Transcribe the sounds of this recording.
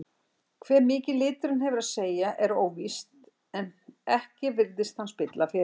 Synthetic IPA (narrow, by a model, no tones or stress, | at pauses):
kʰvɛːɾmɪːcɪlɪːt̪ʏɾʏnhɛvʏɾaðseːjaʔɛɾoːwvist̪ | ɛnɛhcɪvɪɾðɪst̪hanspɪt̪lafɪ